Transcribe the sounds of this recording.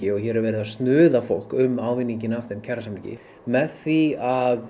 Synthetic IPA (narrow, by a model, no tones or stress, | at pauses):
ɪɔɣçɛɾɛɾvɛːɾɪðast̪nʏːðafo̰wl̥kʏmːaːwvɪnːiɲcɪnafðɪncʰɛɾasamlicɪ̰ | mɛðθviað